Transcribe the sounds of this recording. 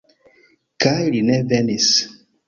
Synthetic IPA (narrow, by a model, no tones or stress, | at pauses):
kajɾinɛvɛnis